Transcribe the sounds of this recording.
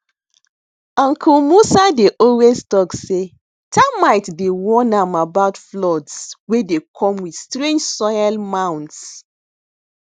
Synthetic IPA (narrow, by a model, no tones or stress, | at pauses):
ãŋkʰumusadeʔɔlweztɔkse | tʰamaɪtdewɔ̃nãmabaʊtflɔdswedekʰɔ̃mwidstɹẽnd͡ʒsɔɪalmãw̃nts